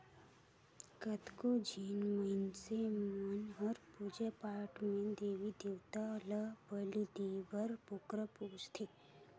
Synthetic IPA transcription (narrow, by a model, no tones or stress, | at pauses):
kət̪kod͡ʒʱiːnməinsemənɦəɾpud͡ʒepaːɾʈmẽd̪eːʋid̪ewt̪aləbəlid̪ibəɾpokɾəpoːt͡ʃt̪ʰe